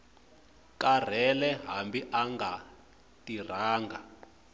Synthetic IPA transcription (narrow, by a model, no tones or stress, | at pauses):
kar̤ɛlɛɦambiʔaŋɡa | tir̤aːŋɡa